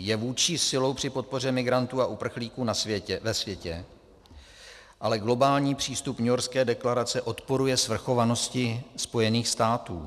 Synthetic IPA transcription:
jɛvuːt͡ʃiːsɪlo̞wpr̝̥ɪpo̞t̪̚po̞rɛmɪɡɾant̪uːaʔupr̩xliːkuːnasjɛɛvɛsvjɛcɛ | ʔalɛɡlo̞baːlɲiːpr̝̥iːst̪upɲʊoɾskɛːdɛklaɾat͡sɛʔo̞t̪po̞ɾujɛsvr̩xo̞vano̞scɪspo̞jɛniːxst̪aːt̪ṵː

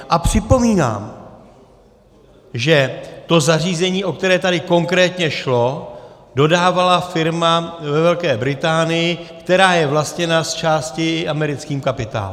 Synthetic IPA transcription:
ʔapr̥ɪpo̞miːna̰ːm | ʒɛt̪o̞zariːzɛɲiːʔo̞k̚t̪ɛɾɛːt̪adɪko̞ŋkɾɛːt̪ɲɛʃlo̞ | do̞daːvalafɪɾmavɛvɛlkɛːbɾɪt̪aːnɪjɪkt̪ɛɾaːjɛvlast̪ɲɛnast͡ʃaːscɪʔamɛɾɪt͡skiːmkapɪt̪a̰ːlu

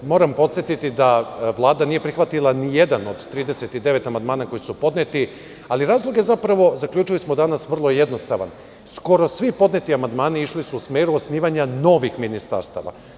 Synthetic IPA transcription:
mo̞ːɾampo̞t̪sjet̪it̪id̪aʋlˠaːd̪anijepɾixʋat̪ilˠanije̞d̪ano̞d̪t̪ɾiːd̪e̞set̪id̪e̞ʋe̞t̪amand̪maːnako̞jisupo̞d̪net̪i | aliɾaːzlˠo̞ɡe̞zapɾaʋo̞zakʎʲuːt͡ʃilismo̞d̪anasʋr̩lˠo̞je̞d̪no̞st̪aʋa̰n | sko̞ɾo̞sʋipo̞d̪net̪iamand̪maːniiʃlisuusmeːɾuosniːʋaɲano̞ʋixminist̪a̰ɾst̪a̰ʋa̰

